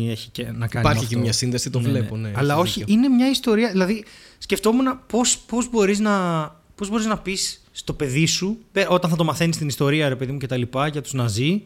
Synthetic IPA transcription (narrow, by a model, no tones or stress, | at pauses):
eçicenɐkkiɐnpɐɾɐçfkemɲɐsinðesit̪oleponeɐlɐo̞çiine̞mɲɐist̪o̞ɾiɐðilɐðisce̞ft̪o̞munɐpo̞spo̞zbo̞ɾiznɐ | po̞zbo̞ɾiznɐpisː | t̪o̞pe̞ðisupeɾo̞t̪ɐnθɐt̪o̞mɐθe̞nist̪inist̪o̞ɾiɐɾe̞peðimuce̞t̪ɐlipɐʝɐt̪uznɐzi